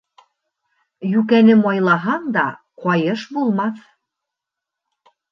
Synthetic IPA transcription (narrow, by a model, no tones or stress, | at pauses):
jʉkænɘmɒjlˠɑɦɑɴd̪ɑ | qɒjɤʃbulˠmɑθ